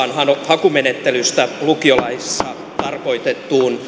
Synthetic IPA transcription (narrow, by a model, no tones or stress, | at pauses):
ɑnhɑnohɑkumenet̪ːelyst̪ælukiolɑissːɑ | t̪ɑrko̞it̪et̪ːuːn